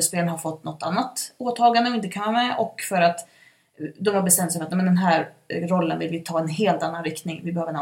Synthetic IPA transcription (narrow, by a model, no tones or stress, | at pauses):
əspeːlənɦaɾfɔt̪ːnɔt̪ːa̰nːat̪oːt̪ʰɑːɡand̪əɔɪnt̪əkʰanvamɛʔɔkːfœɾat̪ | d̪ɔmhaɾbɛst̪ɛmt̪sɛjmat̪ɛːmɛnd̪ɛnɦæːɾɾɔlːənvɪlvɪt̪ʰɑːɛnɦeːlt̪anːanɾɪkt̪nɪŋvɪbɛhøːvəɾn